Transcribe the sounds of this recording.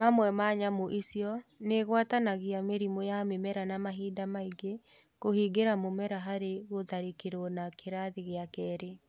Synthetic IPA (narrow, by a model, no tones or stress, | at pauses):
mamwɛmaɲamoʔisiɔneɣwatanaɣiameɾimojamemɛɾanamaɦiːdamaiɡe | kohiːɡeɾamomɛɾaɦaɾeɣoðaɾekeɾonakʰeɾaðeɣeakɛːɾe